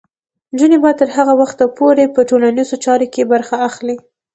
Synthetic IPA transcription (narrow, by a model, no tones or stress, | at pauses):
nd͡ʒunebɑt̪əɾɦaɣawaxt̪apoɾepəʈolanizot͡ʃɑɾokebaɾxaːxli